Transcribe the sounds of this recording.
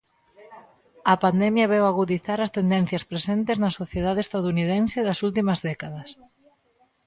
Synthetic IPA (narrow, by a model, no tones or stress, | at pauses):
ɐpand̪ɛmjɐβɛwaɣuðiθaɾɐst̪end̪ɛnθjɐspɾesent̪eznɐsoθjeðaðeːst̪aðunið̞ɛnseðɐsult̪imɐzðɛkaðɐs